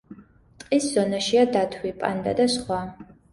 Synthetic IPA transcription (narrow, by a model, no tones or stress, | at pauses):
tʼqʼiːszonɐʃijɐdaːtʰwʷiːpʼɐ̰ndɐ̰dɐɕχʷɑː